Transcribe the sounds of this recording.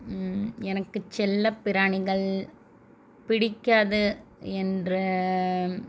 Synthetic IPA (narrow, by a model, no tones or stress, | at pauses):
ɛnɐkːɯt͡ʃɛlːɐpːɪɾaːɳɪɣɐɭ | pɪɽɪkːaːðɯɛndrɯ